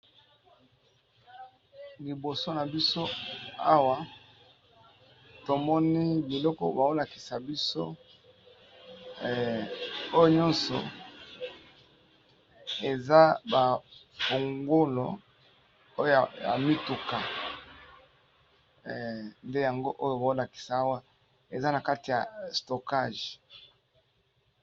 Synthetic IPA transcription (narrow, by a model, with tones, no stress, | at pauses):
li˨bo˨so˦na˨bi˦so˦a˦wa˨ | to˨mɔ˦ni˦bi˨lɔ˦kɔ̰˦ba˨o˦la˨ki̥˨sa˨bi˦so̰˦˨ | o˦jo˨ɲɔ˦nsɔ̰˨ | e˨za˦ba˨ | fo˨ŋɡo˦lo̰˨ | o˦jo˨a̰˨mi˦tu˨ka˨ | nde˦ja˨ŋɡo˦ʔo˦jo˨ba˨o˦la˨ki̥˨sa˨a˦wa˦ | e˨za˦na˨ka˦ti˨ja˨sto˨ka˦˨ʒ